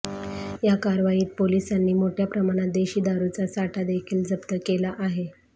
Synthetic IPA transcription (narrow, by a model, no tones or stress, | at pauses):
jakaɾʋajiːt̪̚polisanːiːmoʈʰjapɾəmaɽ̃at̪̚d̪eɕiːd̪aɾut͡sasaʈʰad̪ekʰiːld͡zəpt̪əkelaʔaɦe